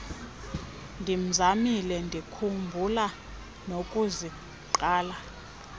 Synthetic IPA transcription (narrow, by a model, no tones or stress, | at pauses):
ndʱim̩zamilɛndʱikʰumbʱula | nokʼuzi | ǃaːla